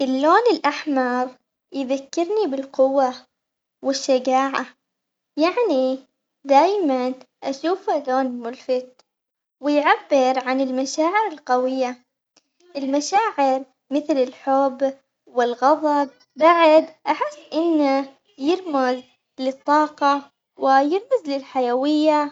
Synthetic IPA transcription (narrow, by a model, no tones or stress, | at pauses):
ʔɪlːoːnɪlʔaħmɑɾˤ | jðakːɪɾnibɪlqʊwːa | wɪʃːad͡ʒaːʕa | jaʕni | d̪aːjman | ʔaʃuːfalːoːnɪlmʊlfɪt̪̚ | wɪjʕabːɪɾʕanɪlmaʃaːʕɪɾɪlqawɪjːa | ʔɪlmaʃaːʕɪɾ | mɪθlɪlħʊbː | wɪlɣɑðˤɑb̚ | baʕd̪ʔaħɪsːʔɪnːa | jɪɾmaz | lɪt̪ˤːɑːqɑ | wɪjɪɾmɪzlɪlħajawɪjːa